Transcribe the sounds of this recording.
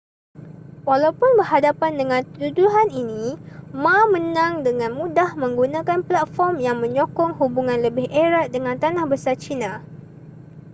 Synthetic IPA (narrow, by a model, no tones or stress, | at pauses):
walawpʊnbərɦadapandəŋãnt̪uduɦaninĩmãmənãŋdəŋãnmũdahmə̃ŋɡunãkanplat̪̚fɔrmjaŋmə̃ɲõkɔŋhubuŋãnləbɪhʔeɾat̪̚dəŋãnt̪anahbəsart͡ʃinã